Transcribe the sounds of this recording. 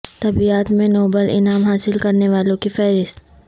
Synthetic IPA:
t̪ɐbiaːt̪mẽnoːbəlʔɪ̰naːmɦaːsɪlkɐɾneʋaːlõkifɛːɾɪst̪̚

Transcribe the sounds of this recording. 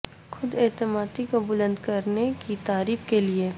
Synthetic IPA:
xʊd̪ɛːt̪ɪmaːt̪ikobʊlə̃nd̪kɐɾnekit̪aːɾiːfkelie

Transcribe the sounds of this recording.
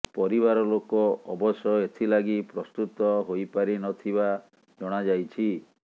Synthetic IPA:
pɔɾiβaɾɔlokɔɔbɔsɔet̪ʰilaɡipɾɔst̪ut̪ɔɦojpaɾinɔt̪ʰiba | d͡ʒɔɽ̃ad͡ʒajt͡ʃʰi

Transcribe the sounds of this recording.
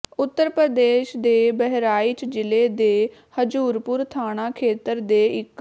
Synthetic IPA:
ʊt̪ːəɾpɾəd̪eːʃd̪eːbɛɦɾaːit͡ʃd͡ʒɪleːd̪eːhəd͡ʒuːɾpʊɾt̪ʰaːɽaːkʰeːt̪əɾd̪eːɪkː

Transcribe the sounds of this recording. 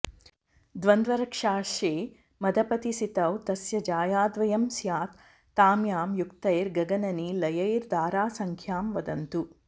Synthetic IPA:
d̪ʋɐnd̪ʋɐɾɐkʂaːʃeː | mɐd̪ʱɐpɐt̪isit̪ɐwt̪ɐsjɐd͡ʒaːjaːd̪ʋɐjɐmsjaːt̪ː | aːmjaːmjukt̪ɐjɾɡɐɡɐnɐniːlɐjɐjɾd̪aːɾaːsɐŋkʰjaːmʋɐd̪ɐnt̪u

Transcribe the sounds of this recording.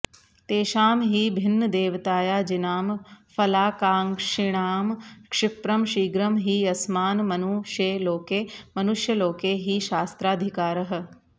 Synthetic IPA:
t̪eːʃaːmɦiːbʱɪnːəd̪eːʋt̪aːjaːd͡ʒinaːmfʰɐlaːkaːŋkʂɪɽ̃aːmkʂɪpɾɐmʃiːɡɾɐmɦiːɐsmaːnmɐnuːʃjeːloːkeːmɐnuʃjɐloːkeːɦiːʃaːst̪ɾaːd̪ʱikaːɾɐɦ̆

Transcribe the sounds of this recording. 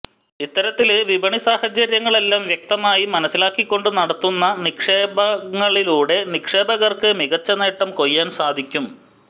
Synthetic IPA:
it̪ːɐɾɐt̪ːilʋibʱɐɳisaːhɐt͡ɕːɐɾjɐŋːɐɭe̞lːaːmʋjɐk̚t̪ɐmaːjimɐnɐsːilaːkːikʲːo̞ɳɖɨnɐɽɐt̪ːunːɐnikʂe̞ːbɐŋːɐɭiluːɽe̞nikʂe̞ːbɐɣɐrkɨmiɣɐt͡ɕːɐne̞ːʈːɐmko̞jːaːnsaːd̪ʱikʲːum

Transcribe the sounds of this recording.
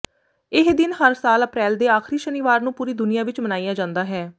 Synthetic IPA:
ɪɦd̪ɪnɦəɾsaːləpɾɛːld̪eːaːkʰɾiːʃənɪʋaːɾnũːpuːɾiːd̪ʊnijaːʋɪt͡ʃmənaːijaːd͡ʒãːnd̪aːɦɛː

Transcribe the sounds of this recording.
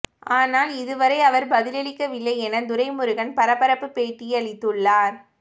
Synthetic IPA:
ʔaːnaːlɪðɯʋɐɾɐɪɐʋɐɾbɐðɪlɐɭɪkːɐʋɪlːɐɪɛnɐd̪ʊɾɐɪmʊɾɯɣɐnpɐɾɐpːɐɾɐpːɯpeːʈːɪjɐɭɪt̪ːɯɭːaːɾ

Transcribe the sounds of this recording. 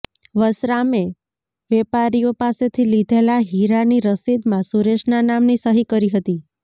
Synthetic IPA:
ʋəsɾame | ʋɛpaɾijopaset̪ʰilid̪ʱelaɦiɾaniɾəsid̪mãsuɾeʃnanamnisəɦikəɾiɦət̪i

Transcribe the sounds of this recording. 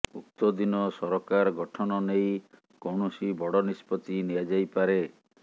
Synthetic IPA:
uk̚t̪ɔd̪inɔsɔɾɔkaɾɡɔʈʰɔnɔnej | koɳusibɔɽɔnispɔt̪iniad͡ʒajpaɾe

